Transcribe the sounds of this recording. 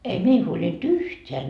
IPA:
ei mei huolʲint yhteæ

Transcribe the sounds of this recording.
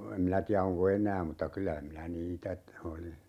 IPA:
em minæ tiæ oŋko enˑæː mutːɑ kylæ minæ niːtæ t oli

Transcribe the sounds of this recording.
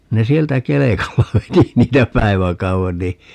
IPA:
ne sieltæ kelekɑlːɑ ʋeti niːtæ pæi̯ʋækɑuen ni

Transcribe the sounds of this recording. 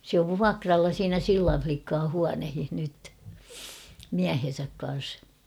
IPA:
sĕ oʋ ʋuɑkrɑlːɑ siːnæ silːɑn̞ʲ flikːɑː huɑnehih nyt miæhen̞sæk kɑn̞s

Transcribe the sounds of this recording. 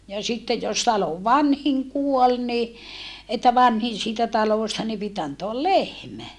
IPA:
jɑ sitːe jos tɑloʋ ʋɑnhiŋ kuol ni etːæ ʋɑnhin siːtæ tɑloˑstɑ ni pit ɑntoɑl lehmæ

